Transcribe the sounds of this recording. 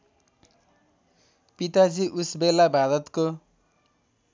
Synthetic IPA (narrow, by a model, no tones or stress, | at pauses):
pit̪ad͡ziʔusbelːabʱad̪ʌt̪ko